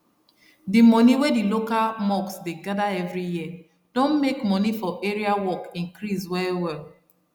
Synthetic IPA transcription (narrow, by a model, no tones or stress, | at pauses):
dimɔniwedilokalmɔksdeɡadaɛvɹijiə | d̥õnmekmɔnifɔʔeɹiawɔkĩŋkɹizwɛewɛl